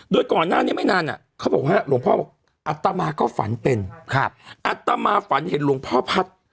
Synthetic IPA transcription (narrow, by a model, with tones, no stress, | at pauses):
doː˧jkɔː˨˩nːaː˥˩niː˦˥˩ma˥˩jnaː˧nʔa̰˨˩kʰa˦˥˩bɔː˨˩k̚waː˥˩lu˧˦əŋpʰɔː˥˩bɔː˨˩k̚ | ʔa˨˩t̪ːa˧maː˧kɔː˥˩fa̰˩˦npe˧nkʰa˦˥ʔa˨˩t̪ːa˧maː˧fa˩˦nhe˨˦nlu˧˩˦əŋpʰɔː˥˩pʰa˦˥t̪̚